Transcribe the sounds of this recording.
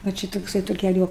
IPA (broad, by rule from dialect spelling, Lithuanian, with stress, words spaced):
ʋɐ ˈt͡ʃʲɪ toːkˈsɐɪ tuɔ kʲɛˈlʲʊ